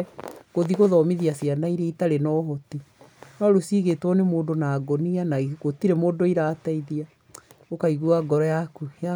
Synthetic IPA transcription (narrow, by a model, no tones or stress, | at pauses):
ɣoðiɣoðɔmiðiasianaiɾeitaɾenɔːɦɔtinɔɾosiːɣetwɔnemoːdonaːɡɔnianaiɣotiɾemoːdoiɾaːtaiðia | okaiɣuaɡɔɾɔjakuja